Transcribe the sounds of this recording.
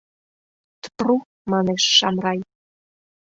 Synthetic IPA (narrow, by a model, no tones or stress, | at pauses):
t̪ə̥pru | mɑneʃːɑmrɑj